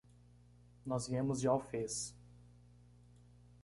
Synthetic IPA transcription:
nɔzviẽmʊzd͡ʒɪawfes

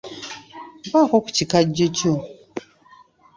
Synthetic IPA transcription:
bakɔku̥t͡ʃikad͡ʒot͡ʃo

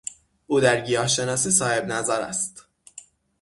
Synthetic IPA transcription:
ʔuːd̪æɾɟijɒːʃe̞nɒːsiːsɒːhe̞bnæzæɾæ̰st̪

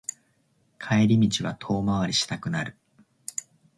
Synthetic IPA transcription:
kʰaeɾʲimʲit͡ɕiβat̪ʰo̞ːmaβaɾʲiɕi̥t̪akɯ̟naɾɯ̟

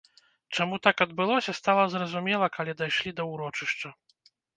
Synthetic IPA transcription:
t͡ʂamut̪akɐd̪bɨlˠɔsʲɐst̪alˠɐzɾɐzumʲɛlˠɐkʰalʲɛd̪ajʂlʲid̪ɐuɾɔt͡ʂɨʂt͡ʂɐ

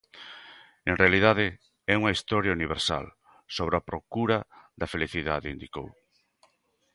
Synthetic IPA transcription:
enrealið̞aðɪ | ɛuŋɐist̪ɔɾjauniβ̞eɾsa̰l | soβ̞ɾeapɾokuɾɐðɐfeliθiðaðeind̪iko̰w

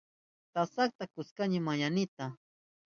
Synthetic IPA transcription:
t̪asak̚t̪akʊskaɲɪmajanɪt̪a

